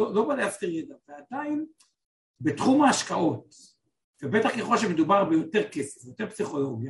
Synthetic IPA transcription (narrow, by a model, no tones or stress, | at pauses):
olobadeaft̪eʁed̪avead̪ain | bet̪χumaːʃkao̞t̪ | vebet̪aχkeχo̞lʃemed̪ubaʁbejo̞t̪e̞ʁkesefjot̪e̞psiχo̞lo̞ɡja